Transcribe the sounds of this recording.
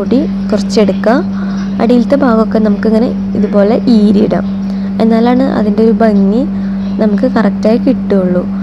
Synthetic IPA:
uɽi | kurɐt͡ɕːe̞ɽukːɐ | ɐ̰ɽijilt̪ːe̞bʱaːɣokːe̞nɐmukːiŋːɐne̞̰ | iðubo̞ːle̞ʔiːɾiɽɐ̰ | e̞nːaːlaːɳɨʔɐ̰ðindeoɾubʱɐŋːi | nɐmukːɨkɐrɐk̚taːjikiʈːuuɭːu

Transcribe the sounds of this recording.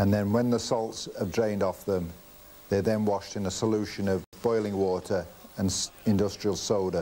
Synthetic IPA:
ə̃nðə̃nwə̃nðəsɔlˠtsəvdɹẽɪ̃ndɒfðə̃m | ðəðə̃nwɑʃtɨ̃nəsəlʉˑʃə̃nəvbɔɪlˠɪ̃ŋwɔˑtʰə˞ə̃nɪ̃ndʌstɹ̥iəlˠsoʊɾə

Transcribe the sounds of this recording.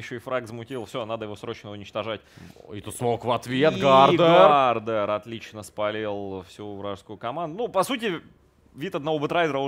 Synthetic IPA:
jɪɕːoɪfɾaɡzmʊtʲilˠfsʲonad̪əjɪvo̞sɾo̞t͡ɕnəʊnʲɪt͡ɕt̪ɐʐatʲit̪ut̪smokvɐt̪vʲet̪ɡad̪ɡard̪əɾɐt̪lʲit͡ɕnəspɐlʲelˠfsʲuvɾaʐskʊʊkɐmand̪ʊnupɐsut̬ʲɪ | vʲit̪ɐd̪nɐvobət̪ɾajd̪ʲɪɾə

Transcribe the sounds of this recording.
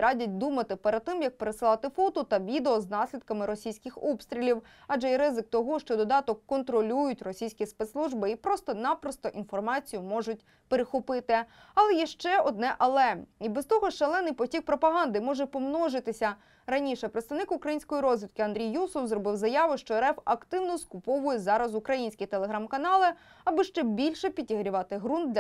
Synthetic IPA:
ɾɑdʲɐt̚ʲd̪umɐt̪ɪpeɾɐd̪̚t̪ɪmjɐk̚peɾesɨɪlˠɑt̪ɪfɔt̪ʊt̪ɐʋʲid̪eɔznɑsʲlʲid̪̚kɐmɪɾɔsʲijsʲkɪxɔpst̪ʲɾʲilʲiw | ɐd͡ʒɛiɾɪzɪk̚t̪ɔɦɔʃt͡ʃɔd̪ɔd̪ɑt̪ɔkːɔnt̪ɾɔlʲujʊtʲrɔsʲijsʲkʲispɛt̪slˠuʒbɪipɾɔst̪ɔnɑpɾɔst̪ɔʔinfɔrmɑt͡sʲijʊmɔʒʊtʲ | peɾexʊpɪt̪ɪ | ɐlˠɛjɛʃt͡ʃɛɔd̪nɛʔɐlˠɛibɛst̪ɔɦɔʃɐlˠɛnːɪjpɔtʲik̚pɾɔpɐɦɑnd̪ɪmɔʒɛpɔmnɔʒɪt̪ɪsʲɐ | ɾɐnʲiʃɛpɾeɪt̪st̪ɐʋnɪkʊukɾɐjinʲsʲkɔjiɾɔzʲʋʲit̪kʲɪɐnd̪ʲɾʲijːusɔwzrɔbɪwzɐjɑʋʊʃt͡ʃɔɾɛfɐkt̪ɪwnɔskʊpɔʋʊjɛzɑɾɐzʊkɾɐjinʲsʲkʲit̪elˠeɦɾɑmkɐnɑlˠɪ | ɐbɪʃt͡ʃɛbʲilʲʃɛpʲitʲiɦɾʲiʋɑt̪ɪɦɾunt̪d̪lʲ

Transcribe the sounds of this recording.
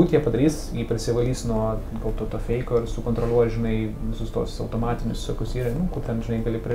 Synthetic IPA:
uːt̪ʲiɛpɐd̪ɐɾʲiːsjiːpʲɾʲɪsʲɪʋɐlʲiːsnuɔ | ɡɐlˠt̪oːt̪oːfʲɛɪkʲoːɪrsʊkoːnt̪ɾolʲˠuɔjʒʲɪnɐɪʋʲɪsʊst̪uɔsɐʊt̪oːmɑːt̪ʲɪnʲʊsʋʲɪsʲoːkʲʊsiːɾʲɐnʊkʊtʲɛnʒʲɪnɐɪɡɐlʲɪpʲɾʲɪ

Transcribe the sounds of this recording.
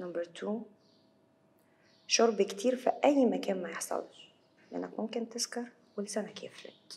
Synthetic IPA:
nɑmbəɾˤt̪ʰuː | ʃʊɾˤbkt̪iːɾfiʔæjːmækɛːnmæjɪħsˤɑ̰l | liʔæ̰nːæ̰kmʊmkɪnt̪ɪzkɑɾˤ | wɪlsænækɛ̰ːflæ̰k

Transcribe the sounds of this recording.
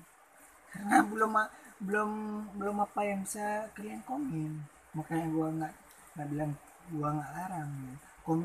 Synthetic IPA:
kaɾənabəlʊmabəlʊmbəlʊmapajaŋbisakəɾiankomɛn | makaɲaɡuaŋaʔ | ŋɡaʔbilaŋ | ɡuaŋɡaʔlaɾaŋa | kom

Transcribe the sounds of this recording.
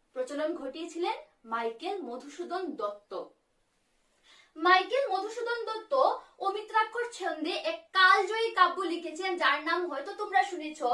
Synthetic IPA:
pɾot͡ɕolonɡʱoʈiet͡ɕʰilen | majkelmod̪ʱuʃud̪ond̪ɔt̪ːo | majkelmod̪ʱuʃud̪ond̪ɔt̪ːoomit̪ɾakʰːoɾt͡ɕʰeond̪eʔɛkːald͡ʑoikabːulikʰet͡ɕʰilend͡ʑaɾnamɦɔet̪ot̪omɾaʃunet͡ɕʰo

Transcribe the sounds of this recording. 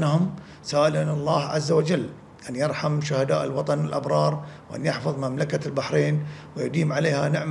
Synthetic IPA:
nɦʊm | saːʔɪlanɑlˤːɑːhʕazːawad͡ʒalː | ʔanjɑɾˤħamʃʊhad̪a̰ːʔɪlwɑt̪ˤɑnɪlʔabɾˤɑːɾˤwʔa̰njɪħfɑðˤmamlakalbaħɾeːnwɪjʊd̪iːmʕaleːhanɪʕm

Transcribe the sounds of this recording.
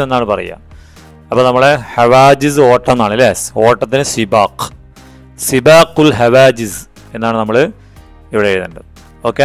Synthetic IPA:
enːaːɳɨpɐrɐ̰jːa̰ːm | ɐpːoːnɐmːɐɭehɐʋaːd͡ʑizɨo̞ːʈːɐmnːaːɳileso̞ːʈːɐt̪ːinɨsibaːq | sibaːqulɦɐʋaːd͡ʑiz | e̞nːaːɳɨnɐmːɐɭɨ | iʋiɽejeɾnːɐnɖɐðɨ | oːkːe

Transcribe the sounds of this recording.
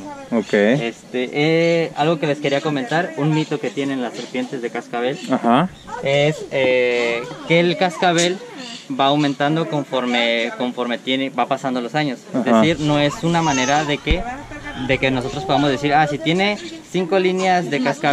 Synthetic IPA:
okejest̪eʔea̰lɣo̞ke̞le̞ske̞ɾiako̞mẽnt̪aɾunːit̪o̞ke̞t̪je̞nenlase̞ɾpje̞nt̪e̞zðe̞kaskaβe̞laha | ese | keːlkaskaβe̞lbaːwmẽnt̪and̪o̞ko̞ɱfoɾmeko̞ɱfo̞ɾme̞t̪jenebapasand̪olosaɲo̞sezðesiɾno̞e̞sunamãne̞ɾaðekeðe̞ke̞no̞s̬o̞t̪ɾospo̞ðamo̞zðes̬iɾasit̪je̞ne̞siŋko̞linjazðe̞kaska

